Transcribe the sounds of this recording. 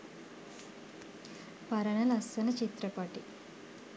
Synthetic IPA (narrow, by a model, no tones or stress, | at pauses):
pɐɾɐnɐlɐst̪ɐnɐt͡ʃit̪ɾɐpaːʈi